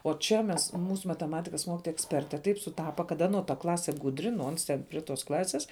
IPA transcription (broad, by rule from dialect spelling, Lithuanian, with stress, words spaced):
oː ˈt͡ʃʲɛ mʲɛs ˈmuːsʊ mɐtʲɛˈmɑːtʲɪkɐs ˈmoːkʲɪtoːjɛ ɛksʲˈpʲɛrʲtʲɛ ˈtɐɪp sʊˈtɑːpɐ kɐt ˈɑːnoː tɐ ˈklˠɑːsʲɛ ˈɡʊdʲrʲɪ nʊ ˈoːns ˈtʲɛn pʲrʲɪ toːs ˈklˠɑːsʲeːs